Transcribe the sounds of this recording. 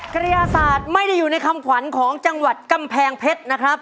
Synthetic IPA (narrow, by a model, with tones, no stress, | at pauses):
kɾa˧jaː˧saː˨˩t̪̚ma˥˩jda˥˩jːuː˨˩na˧jkʰa˧mkʰwa˩˦nkʰɔː˩˦ŋt͡ɕa˧ŋwa˨˩t̪̚ka˧mpʰɛː˧ŋpʰe˦˥t̪̚na˦˥kʰɾa˦˥p̚